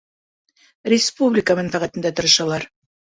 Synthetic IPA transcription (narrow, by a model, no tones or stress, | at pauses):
ɾʲɪspublʲɪkəmænfæʁæt̪ɘ̆nd̪æt̪ɤ̆ɾɤ̆ʃɑlˠɑɾ